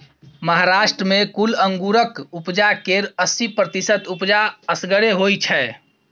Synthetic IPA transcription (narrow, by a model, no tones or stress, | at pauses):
məɦaɾaʃʈɾəmekuləŋɡuɾəkupd͡ʒakeɾəsipɾət̪isət̪upd͡ʒaəsɡəɽeɦojt͡ʃʰɛ